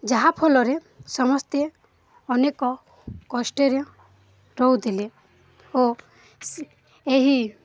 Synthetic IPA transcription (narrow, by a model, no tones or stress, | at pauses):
d͡ʒaɦapʰolɔɾe | sɔmɔst̪e | ɔnekɔ | kɔsʈeɾe | ɾɔɦwd̪ile | o | eɦi